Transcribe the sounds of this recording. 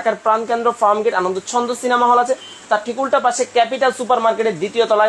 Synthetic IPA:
kʰaɾpɾankend̪ɾofaɾmɡeʈanond̪ot͡ɕʰɔnd̪osinamaɦɔlat͡ɕʰe | t̪aɾʈʰikulʈapaʃekɛpiʈalsupaɾmaɾkeʈeɾd̪it̪iot̪ɔla

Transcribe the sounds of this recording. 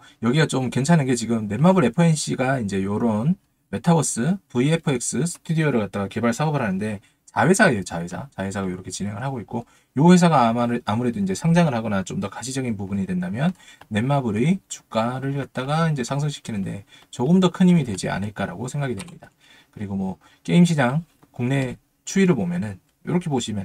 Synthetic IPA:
jʌɡiɡat͡ɕomke̞nt͡ɕʰanɯnɡe̞t͡ɕiɡɯmne̞mːabɯɾe̞pʰɯenɕ͈iɡaind͡ʑe̞joɾon | me̞tʰabʌs͈ɯpuiepʰɯek̚s͈ɯsʰɯ̥tʰudiʌɾɯɭkat̚t͈aɡake̞baɭsʰaɡobɯɾɦanɯnde̞ | sʰawe̞sʰaet͡ɕawe̞sʰa̰t͡ɕawe̞sʰaɡajoɾʌkʰe̞t͡ɕinɦe̞ŋɯɭɦaɡoik̚k͈o | johe̞sʰaɡaːmuɾe̞doind͡ʑe̞sʰaŋd͡ʑaŋɯɭhaɡʌnat͡ɕomdʌkaɕʰid͡ʑʌɡinpubuɲidwe̞ndamjʌnːe̞mːabɯɾit͡ɕu̥k͈aɾɯɭkat̚t͈aɡaind͡ʑe̞sʰaŋs̬ʰɯŋɕʰi̥kʰinɯnde̞̰t͡ɕoɡɯmdʌkʰɯɲimidwe̞d͡ʑia̰nɯɭk͈aɾa̰ɡosʰe̞ŋɡaɡidwe̞mɲida | kɯɾiɡomwʌ | k͈e̞imɕ̬ʰid͡ʑaŋ | kuŋne̞ | t͡ɕʰuiɾɯɭbomjʌnɯn | jo̰ɾʌkʰe̞poɕʰimjʌn

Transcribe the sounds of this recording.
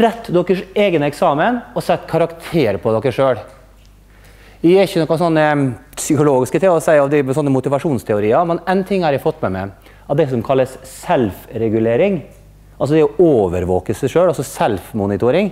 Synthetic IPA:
ɾɛt̪ːd̪ɔkːəʂeːɡnəɛksɑːmənɔsɛt̪ːkʰɑɾɑkt̪ʰeːɾpʰɔd̪ɔkːəʂøːɽ | æɛɪçːənɔkːɔsɔnːəsʏkʊloːɡɪskət̪ʰɪŋɔsæɪɔʋd̪ɪsɔnːəmʊt̪ɪʋɑʂuːnst̪ʰɛʊɾiːəmɛnɛnt̪ʰɪŋːhɑɾjæɪfɔt̪ːmɛmɛ | ɑd̪ɛsɔmkʰɑlːəssɛlfɾɛɡʉleːɾɪŋ | ʔɑlsɔd̪ɛɔoːʋə̰ɾʋoːkəsɛɪʂøːɽɑsɔsɛlfmunɪt̪ʊɾɪŋ

